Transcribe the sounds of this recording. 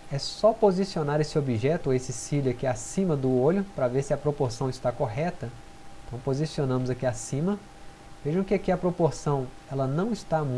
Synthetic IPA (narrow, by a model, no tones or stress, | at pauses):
ɛsɔpozisionaɾesɪobiʒɛt̪ʊesɪsilʊɐkiasĩmɐd̪ʊoʎʊpɾɐveɾsɪɐpɾopoɾsɐ̃w̃ɪst̪akoɦɛt̪ɐ | ẽt̪ɐ̃w̃pozisionɐ̃mʊzakiasĩmɐ | veʒɐ̃kɪakiɐpɾopoɾsɐ̃w̃ | ɛlɐnɐ̃w̃ɪst̪am̃